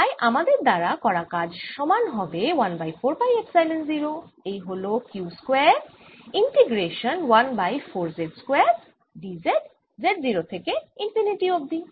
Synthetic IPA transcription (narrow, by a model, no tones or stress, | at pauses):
t̪ajʔamad̪eɾd̪aɾakɔɾakad͡ʑʃɔmanɦɔbewanbajfoɾfajeksajlenziɾoejɦolokjuskwɛɾ | iɳʈeɡɾeʃonwanbajfʰoɾzeʈskwɛɾ | ɖizeɖ | zeʈ̚ziɾot̪ʰekeinfʰiniʈiob̚d̪i